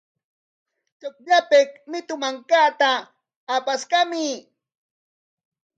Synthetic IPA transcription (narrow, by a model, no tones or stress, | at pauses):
t͡ʃok̚ʎapekmɪt̪ʊmaŋkaːt̪aː | paskamɪ